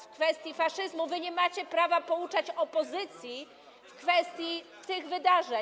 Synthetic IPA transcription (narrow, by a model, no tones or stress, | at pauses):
fkfɛst̪ʲjifaʂɘzmuvɘɲɛmat͡ɕɛpɾavapɔut͡ʂat͡ɕɔpɔzɘt̪sʲji | fkfɛst̪ʲji | t̪ɘɣvɘd̪aʐɛ